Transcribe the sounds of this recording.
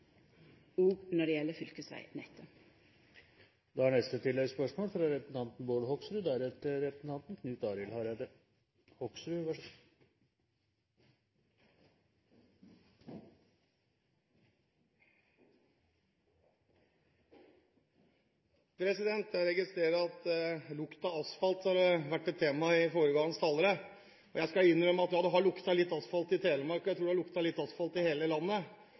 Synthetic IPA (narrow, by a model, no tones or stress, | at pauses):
uːɡnɔɖɛɛləfʏlkəsʋæ̰ɪnɛt̪ʰə | d̪ɛhɑɳɛst̪ət̪ʰɪlːɛɡspœʂmoːlfɾɑɾɛpɾsn̩t̪ɑnt̪n̩boːɽhɔksɾʉːd̪ææːɾɛt̪ɾɛpɾəsn̩t̪ʰɑnt̪n̩kʰnʉːt̪ɑːɾɪlhɑɾæd̪ə | hɔksɾʉːʋæ | pʰɾɛsɪd̪ɛnt̪æɾɛɡɪst̪ɾeːɾəɑt̪lʊkt̪ɑɑsfɑlt̪hɑɾʋæʈːɛt̪ʰːeːmɑɪfoːɾəɡɑŋənst̪ʰɑlːəɾə | ɔjæɪskɑɪnːɾœməɑt̪jɑːd̪ɛɦɑɭʊkt̪ɑlɪt̪ːɑsfɑlt̪ɪt̪ʰeːləɾmɑɾkɑjæt̪ɾuːɖɛhɑɭʊkt̪ɑhlɪt̪ːɑsfɑlt̪ɪheːləlɑnːə